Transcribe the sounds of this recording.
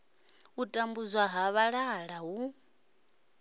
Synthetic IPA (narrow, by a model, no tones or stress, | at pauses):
utʼambuzwaɦaβaɺaɺaɦu